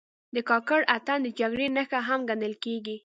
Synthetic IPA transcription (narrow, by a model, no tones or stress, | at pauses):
d̪əkɑkəɽat̪and̪əd͡ʒaɡɽenəxaɦamɡand̪əlkeɡi